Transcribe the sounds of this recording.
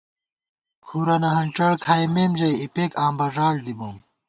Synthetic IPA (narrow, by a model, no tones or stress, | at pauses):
kʰuɾɐnɐɦɐnʈ͡ʂɐɽkʰaːjmeːmd͡ʑɐjipeːkãːmbɐʐaːld̪ibom